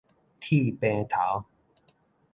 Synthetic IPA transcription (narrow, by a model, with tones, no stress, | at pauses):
t̪ʰi˥˧˨pẽ˧t̪ʰa˨˦w